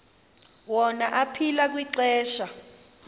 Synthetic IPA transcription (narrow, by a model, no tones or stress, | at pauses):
wɔnaʔapʰilak̬wiǀɛːʃa